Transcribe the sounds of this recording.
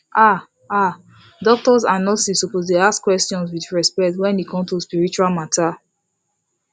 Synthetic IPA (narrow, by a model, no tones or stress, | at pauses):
ʔa | a | dɔk̚tɔsanɔlsisopozleaskwɛstjɔ̃ns̬wiθɹɛspɛk̚twɛ̃nhikʰɔ̃mtuspiɹit͡ʃualmatʰa